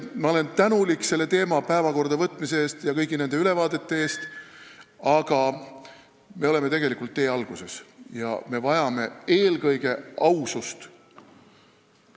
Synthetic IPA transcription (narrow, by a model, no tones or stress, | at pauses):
mɑo̞le̞nt̪ænulikːˑse̞lːe̞t̪e̞ːmɑpæevɑko̞rd̪ɑvɤt̪ːˑmise̞eːst̪jɑkɤjɡine̞nd̪e̞yle̞vɑːd̪e̞t̪ːe̞e̞ːst̪ | ɑɡ̥ɑ | me̞o̞le̞me̞e̞ɡe̞likːˑult̪ːe̞ːɑlɡ̥use̞sjɑ̰me̞vɑjɑme̞e̞ːlɡɤjɡe̞ʔɑwsust̪